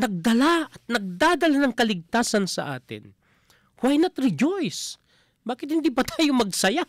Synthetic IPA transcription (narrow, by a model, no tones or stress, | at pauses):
nɐɡ̚d̪ɐlaʔɐt̪̚nɐɡ̚d̪aːd̪ɐlanɐŋkɐlɪɡ̚t̪aːsɐnsɐ̰ʔa̰ːt̪ɪ̰n | hwajnɐt̪ɾɪd͡ʒojs | baːkɪt̪hɪnd̪iːpɐt̪aːjomɐɡsɐja